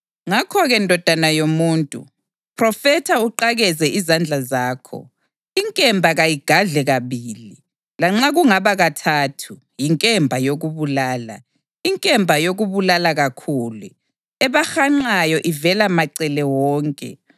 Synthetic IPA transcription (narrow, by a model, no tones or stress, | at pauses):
ŋakʰɔɣɛndʱɔd̥ʱanajomuːntʼṵ | pʰʼrɔfɛtʰauǃaɣɛzɛʔizand͡ɮʱazaːkʰɔ̰ | iŋkʼɛmbʱaɣajiɡ̥ʱaɮɛɣaβiːli | laŋ͡ǁaɣuŋaβaɣatʰaːtʰu | jiŋkʼɛmbʱajoɣuβulaːla̰ | iŋkʼɛmbʱajoɣuβulalaɣakʰuːlu | ɛβaxaŋ͡ǀajɔʔivɛlamaǀɛlɛwɔːŋkʼɛ̰